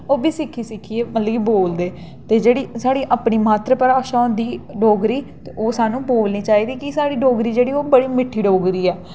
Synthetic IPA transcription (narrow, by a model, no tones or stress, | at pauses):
oːbiːsɪkʰːiːsɪkʰːiːeːmət̪ləɡiːboːld̪eː | t̪eːd͡ʒeːɽiːsaːɽiːʔaːpniːmaːt̪ɾəpəɾaːʃãːnd̪iːɖoːɡɾiːt̪eoːsaːnũːboːlniːt͡ʃaːiːd̪iːkɪsaːɽiːɖoːɡɾiːd͡ʒeːɽiːoːbəɽiːmɪʈʰːiːɖoːɡɾiːɛː